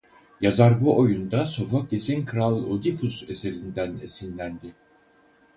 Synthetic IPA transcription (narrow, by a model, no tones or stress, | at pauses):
jazaɾbuʔojund̪aso̞fok̚desinkʰɾalˠod̪ipʰuse̞se̞ɾind̪æne̞̰sinlʲænd̪i